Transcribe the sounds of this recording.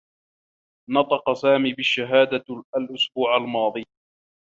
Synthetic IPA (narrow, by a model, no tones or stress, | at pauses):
nɑt̪ˤɑqɑsaːmiːbɪʃːaɦaːd̪aalʔʊsbuːʕalmɑːðˤɨː